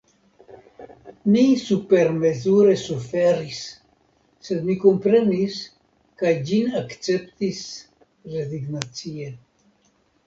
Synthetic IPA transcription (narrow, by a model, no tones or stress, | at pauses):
misupeɾmezuɾesufeɾisː | ed̪mikompɾenis | kajd͡ʒinakt͡sept̪is | reziɡnat͡sie